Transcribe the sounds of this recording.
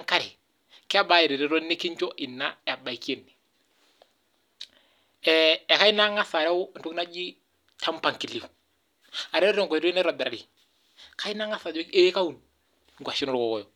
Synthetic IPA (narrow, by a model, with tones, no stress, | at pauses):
ŋka˦ɾɪ˨ | kɪ˦a˦ba˦ɪ˨ɾi˨ɾɪ˨ɾɔ˦nɪ˦kɪ˦ɲt͡ʃɔ˦ʔɪ˨nːa˦ɛ˨a˨ba˨i˨ki˦e˨nːi˨ | ɛɛ˨ka˦ɪ˦na˦ŋa˦sa˨ɾɛ˦ʊ˦n̩˦tʊ˦kna˦d͡ʒi˦ | tʰa˦mpa˨ŋki˨li˨ | a˨ɾɛ˦ɾɔ˦ɾɛ˨ŋkɔ˨ɾi˦nɛ˦ɾɔ˨bɛ˨ɾa˨ɾɪ˨ | ka˦i˦na˦ŋa˦sa˨d͡ʒɔ˦e˦ka˦u˨n | ŋɡʷa˨ʃɪ˦nɔ˦ɾkɔ˨kɔ˨jɔ˨